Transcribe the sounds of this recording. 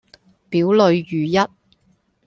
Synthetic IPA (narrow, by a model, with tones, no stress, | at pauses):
piː˨˥wlɵ˨˧ɥːyː˨˩jɐ˥t̚